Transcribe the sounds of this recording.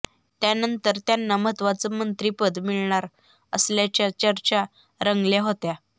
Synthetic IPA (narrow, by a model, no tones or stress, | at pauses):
t̪janənt̪əɾt̪janːamət̪ʋat͡səmənt̪ɾipəd̪miɭɳaɾ | əsljat͡ɕjat͡ɕəɾt͡ɕa | ɾəŋɡljaɦot̪ja